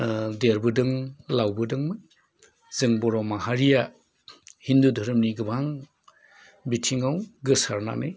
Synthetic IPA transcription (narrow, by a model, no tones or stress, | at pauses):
deɾbɯdɯŋlawbɯdɯŋmɯ | zɯŋbɔɾɔmaɦaɾija | hindudʱɯɾɯmniɡɯbaŋ | bitʰiŋawɡɯsaɾna̰nɯj